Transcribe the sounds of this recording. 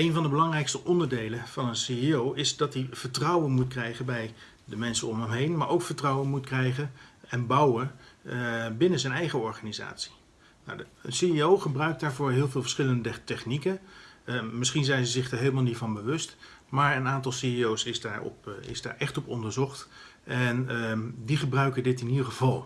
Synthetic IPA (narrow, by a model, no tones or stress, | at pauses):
ejnvɑndəbəlɑŋrɛjkstəʔɔndəɹdejlənv̥ɑnənsiiowɪzdɑtiv̥əɹtrɑwənmutkrɛjχənbɛj | dəmɛnsəɔmɦəmɦejnmaːɹowkfəɹtrɑwənmutkrɛjχənɛnbɑwən | bɪnənzɛnɛjχəɔɹχaːniza̰ːtsi̥ | nowdəsiiowχəbrœɥk̚daːɹvʊːɹɦɪːlˠvɪːlˠvə̥sχɪləndətɛχnikə | mɪsχinzɛjnzəzɪχdaɹɦejləmalˠnitvɑnbəʋɵst | maːɹənaːntɑlˠsiiowsɪzdaːɹɔ̰pɪ̰zda̰ːɹʔɛχtɔpɔndəɹzɔχt | ʔɛndiχəbrœɥkədɪtɪnidəɹχəvɑlˠ